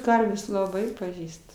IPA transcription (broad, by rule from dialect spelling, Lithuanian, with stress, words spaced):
ˈkɐrʲʋʲeːs lˠɐˈbɐɪ pɐˈʒʲiːst